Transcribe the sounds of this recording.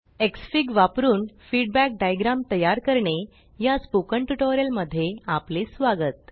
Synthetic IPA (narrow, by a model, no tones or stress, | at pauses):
eksfiɡʋapɾuːnfiɖbæk̚ɖajɡɾãmt̪əjaɾkəɾɳe | jaspukəɳʈuʈoɾjəlməd̪ʱːjeaplisʋaɡət̪̚